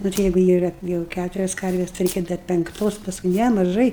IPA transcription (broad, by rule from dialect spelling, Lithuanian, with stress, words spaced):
ˈnʊ tɐɪ ˈjæːɡʊ ˈiːrɐ ˈjɛʊ ˈkʲætʊrʲɛs ˈkɐrʲʋʲeːs tɐɪ ˈrʲɛɪkʲɛ dɐr pʲɛŋkˈtoːs pɐsˈkʊɪ ˈnʲɛ mɐˈʒɐɪ